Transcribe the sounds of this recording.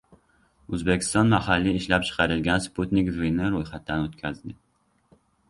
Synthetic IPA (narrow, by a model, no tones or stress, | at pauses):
ɵzbekʲʰɪ̥st̪ɒnmahalːiɪʃlap̚t͡ʃʰɨ̥qʰɑɾɪlɡʲansput̪nɪkzinɪɾojχat̪ːanot̪kʲʰazd̪ɪ